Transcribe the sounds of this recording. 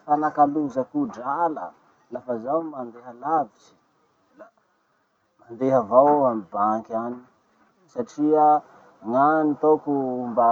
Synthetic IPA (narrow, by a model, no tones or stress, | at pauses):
fanakaluzəkuɖ͡ʐalə̰ | lafəzawmand̪eɦəlavit͡ʃi̥ | la | mand̪eɦəvawamibaŋkani | saʈ͡ʂia | ŋanit̪okumba